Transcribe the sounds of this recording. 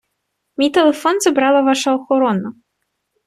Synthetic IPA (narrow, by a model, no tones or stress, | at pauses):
mʲit̪ɛlˠɛfɔnzɐbɾalˠɐvaʂɐɐxɔɾɔnɐ